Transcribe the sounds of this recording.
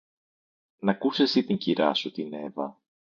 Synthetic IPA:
nɐkusesit̪iɲciɾɐ̰sut̪ine̞vɐ

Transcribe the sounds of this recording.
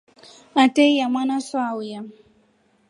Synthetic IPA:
atejjamanasɔawuja

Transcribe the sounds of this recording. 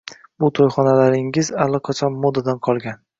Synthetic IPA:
bʊt̪ʰojχɒnalaɾɪŋɪzalːɪqʰat͡ʃʰɒnmɒd̪ad̪anqʰɒlˠɡʲan

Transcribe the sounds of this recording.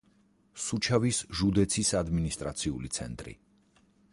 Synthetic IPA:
sut͡ʃʰavisʒud̪ɛt̪sʰisad̪minist̪ʼɾa̰t̪sʰiulit̪sʰɛ̰nt̪ʼɾḭ

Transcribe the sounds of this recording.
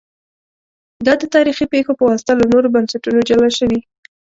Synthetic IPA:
d̪ɑd̪ət̪ɑɾixipexopəwɑst̪alanoɾobansaʈunod͡ʒalaʃəwi

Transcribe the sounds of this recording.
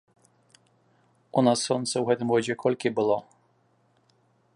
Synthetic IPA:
unasːɔnt̪sɛwɦɛt̪ɪmɔd͡ʑʲɛkʰɔlʲkʲɪbɪlˠɔ

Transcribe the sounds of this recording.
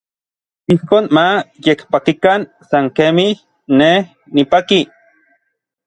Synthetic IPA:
ihkoːnmajekpakikan | saŋkemih | nːeh | nipaki

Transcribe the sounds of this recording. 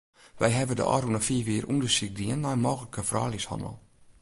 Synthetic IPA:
ʋɛ̰jɦɛvədə̰ʔɔ̰ːɾunəfiəʋiərʔundəsik̚diənːajənmoːɣələkəfra̰ːlishɑ̰ndə̰lˠ

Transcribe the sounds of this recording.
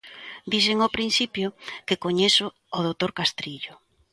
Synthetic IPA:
d̪iseŋopɾinθipjʊkɪkoɲesʊː | ðowt̪oɾkast̪ɾiʎʊ

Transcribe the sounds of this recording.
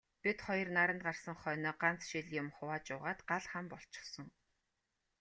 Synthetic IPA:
pit̪χɔjɞ̆rnaɾə̆nt̪̚ɢarsə̆ŋχœːnɔːɢan̥t͡sʃiɮjʊmχʊwaːt͡ɕʊːʁaːt̪ɢaɮχampɔɬt͡ɕɪ̥̆χsɞ̆ŋ

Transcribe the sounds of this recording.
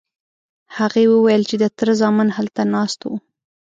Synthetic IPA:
haɣewəwajəlt͡ʃed̪ət̪əɾzɑmənhalt̪anɑst̪wu

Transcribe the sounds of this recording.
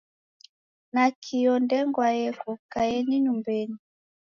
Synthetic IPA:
nakʰijɔndɛŋɡwajɛkɔkajɛniɲumbɛni

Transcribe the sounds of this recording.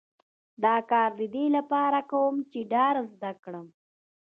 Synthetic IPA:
d̪ɑkɑɾd̪əd̪elapɑɾakawəmt͡ʃeɖɑɾzd̪akɽəm

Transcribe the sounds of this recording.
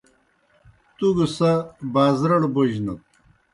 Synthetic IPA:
t̪uɡusabaːzɾɐɽboʑnɐt̪̚

